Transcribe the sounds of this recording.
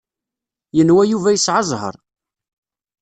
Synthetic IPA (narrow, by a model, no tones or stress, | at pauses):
jənwæjuvæjəsʕɑzˤɦə̰ɾˤ